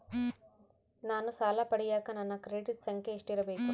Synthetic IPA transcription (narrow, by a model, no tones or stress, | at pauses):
naːnusaːlaːpɐɽijaːkɐnɐnːɐkɾeːʈiʈsɐŋkeʂʈiɾɐbejku